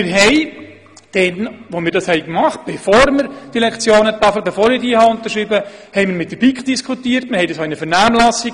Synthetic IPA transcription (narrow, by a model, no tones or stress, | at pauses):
mɪɾɦɛj | d̥ɛnʋomɪːɾdɑshɛɪkmɑχt̚b̥efoːɾməɾd̥ilɛkt͡sjoːnət̪ɑfəbefoːɾɪɾdiːhɑʊnt̪əɾʃɾiːbəhɛɪmɪɾmɪt̚dəb̥ikχd̥iskʰutiːətmɪɾhɛjdɑsoɪnəfɛrnæːmlɑsi